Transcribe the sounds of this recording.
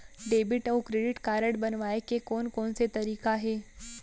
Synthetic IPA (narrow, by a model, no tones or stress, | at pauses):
ɖeːbɪʈɐːkɾeːɖɪʈkaːɾəɽbɐnʋaːekekɔːnkɔːnset̪ɐɾiːkaɦɛː